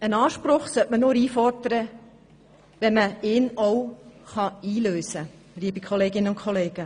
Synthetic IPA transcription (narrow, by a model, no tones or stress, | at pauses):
ənɑːʃpɾʊχsœʔmənʊːɾiːfɔɾdəɾə | ʋɛnməɪːnɔwχɑiːløːsə | liːbikʰχɔleːɡɪnəʊnkʰχʰɔleːɡ̥ə